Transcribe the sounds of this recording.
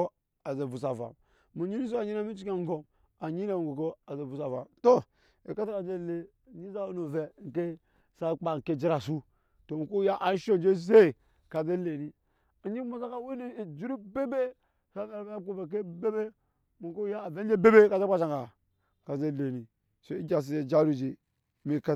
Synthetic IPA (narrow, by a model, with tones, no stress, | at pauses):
a˨ze˨vu˨s̬a˨va̰˨m | mu˨ɲi˦ni˦s̬o˦a˨ɲi˦na˦mi˦t͡ʃi˦ka˦˨ŋ˦ɡo˨m | a˨ɲi˦na˨mu˨ɡo˨ko˦a˨ze˨vu˨sa˨va̰˨mto˦ | e˨ka˦ta˦ka˨˦d͡ʒe˦˨le˦˨ | ɲi˦za˦wo˦no˨ve˨ŋ̩˨ke˦ | sa˦˨k͡pa˨ŋ̩˨ke˦d͡ʒi˦ɾa˨su˦ | to˨mu˨ko˦ja˦ʔa˨n˦ʃo˦d͡ʒe˦ze˦˨ | ka˨ze˦le˨ni˦ | a˨ɲi˦mo˨za˦ka˦we˦ne˦i˨d͡ʒu˦ɾu˦be˦be˦ | sa˦a˨ɾba˦ku˦˨ve˨k̬e˦be˦be˦ | mu˨ko˦ja˦˨ve˦n˦d͡ʒe˦be˦be˦ka˨ze˦k͡pa˦t͡ʃa˨ŋka˨ | ka˨ze˦˨le˨ni˨ | so˦i˦d͡ʒa˨s̬i˨e˨d͡ʒa˦ɾu˦d͡ʒi˨ | mi˦˨ka˦